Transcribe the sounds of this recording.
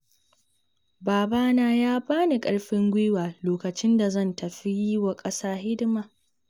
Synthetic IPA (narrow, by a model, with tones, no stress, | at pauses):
baː˨baː˦naː˦jaː˦baː˦ni˨kʼɐ˦ɽɸɪ˦ŋɡʷɪː˦waː˨loː˨kɐ˨t͡ʃɪ˦nda˨zɐ˦˨ntɐ˨ɸi˦ji˦wa˨kʼɐ˦saː˦ɦɪ˦dɪ˦ma˨